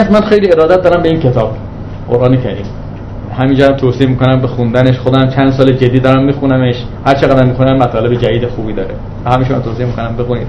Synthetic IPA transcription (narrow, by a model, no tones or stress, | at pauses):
smænxe̞jliːe̞ɾɒːd̪æt̪̚d̪ɒːɾæmbe̞iːnkʰe̞t̪ʰɒːb̥ | ɢ̥o̰ɾʔɒːnekʰæɾim | hæmiːnd͡ʒɒːɾæmt̪ʰosiemiːko̞næmbexund̪æneʃxod̪æmt͡ʃʰænd̪sɒːled͡ʒed̪iːd̪ɒːɾæmːiːxunæmeʃ | hæɾt͡ʃʰeɣæd̪æmːixunæmːæt̪ʰɒːle̞bed͡ʒædiːd̪exuːbiːd̪ɒːɾe | væhæminʃmæ̰mt̪ʰoːsiemikonæmbexuniːd̪̥